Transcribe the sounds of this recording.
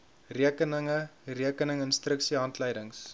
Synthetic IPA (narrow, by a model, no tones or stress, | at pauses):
riəkənəŋəriəkənəŋənstrəksiɦɐntləjdəŋs